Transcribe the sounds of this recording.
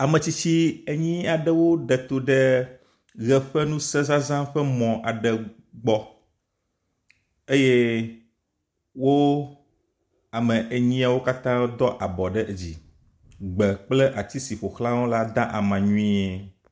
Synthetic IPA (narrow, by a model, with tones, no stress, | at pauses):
a˨mɛ̃˨t͡ɕi˦t͡ɕi˦e˨ɲĩ˦a˨ɖɛ˦wo˦ɖɛ˨t̪o˨ɖɛ˦ | ɣɛ˨ɸɛ˦nũ˦sɛ̃˦zã˦zã˦ɸɛ˦mɔ̃˨ʔa˨ɖɛ˨ | ɡ͡bɔ˦ | e˦je˦ | wo˦ | a˨mɛ̃˨ʔe˨ɲĩ˦a˨wo˦ka˦t̪ã˦d̪ɔ˦ʔa˨bɔ˨ɖɛ˦e˨d͡ʑi˨ | ɡ͡bɛ˨k͡plɛ˦ʔa˨t͡ɕ̪i˦si˨ɸo˨xlã˦wo˦la˦d̪ã˦ʔa˨mã˨ɲũ˦ĩ˦e˨